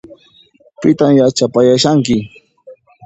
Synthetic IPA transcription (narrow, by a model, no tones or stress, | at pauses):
pɪt̪amjat͡ʃapajaʃaŋkɪ